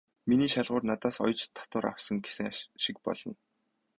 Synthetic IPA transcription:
miniːʃaɮʁʊːrnat̪aːsɔ̰jt͡ɕt̪ʰːḁt̪ʊːɾa̰w̥sə̆ŋɡesɘ̆ŋʃɪ̆kpɔ̰ɮ̥ɞ̆n

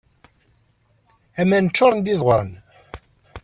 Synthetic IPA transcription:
æmænət͡ʃːʊɾˤənd̪iðʁɾˤə̰n

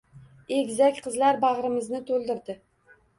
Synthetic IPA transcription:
eɡʲzakʲqʰɨzlaɾbɑʁɾɪmɪznɪt̪ʰolˠd̪ɪɾd̪ɪ

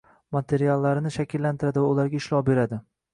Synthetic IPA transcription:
mat̪ʰe̞ɾialˠːaɾɪnɪʃakʲʰɪlːant̪ʰɪɾad̪ɪvaʊlaɾɡʲaɪʃlɒwbe̞ɾad̪ɪ

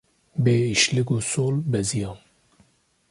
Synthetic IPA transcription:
beːiʃlɪɡoːsoːlbɛzijɑːn

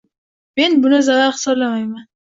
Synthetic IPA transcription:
me̞nbʊnɪzavaɾχɨ̥sɒblamajman

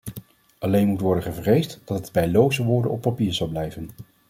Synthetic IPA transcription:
ʔɑlejnmutʋɔɹdənχəvrejstd̥ɑtɦədbɛjlowzəʋʊːɹdə̰nɔpːɑpiːɹzɑlˠblɛjvən

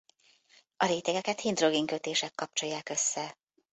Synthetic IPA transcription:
ɒleːt̪ɛɡɛkɛt̪hind̪ro̞ɡiŋkøt̪eːʃɛkːɒp̚t͡ʃo̞jːaːkø̞sːɛ

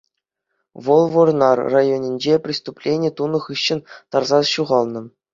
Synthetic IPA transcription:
ʋɤ̆lˠvɤrnɑrrajonʲinʲd͡ʑepʲrʲist̪uplʲenʲet̪unɤ̆χɯɕːɘ̆nt̪ɑrzɑɕuʁɑlˠnɤ̆

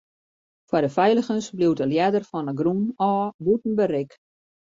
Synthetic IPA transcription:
fwadəfɛjlˠəxənsbliwtəljɛdərfɔnəɡrunɔːbutn̩bəɾɪk

